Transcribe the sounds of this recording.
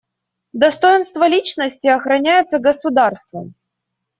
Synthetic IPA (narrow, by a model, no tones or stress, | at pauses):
d̪ɐst̪ojɪnst̪vəlʲit͡ɕnəsʲtʲɪɐxɾɐnʲæjɪt̪səɡəsʊd̪arst̪və̰m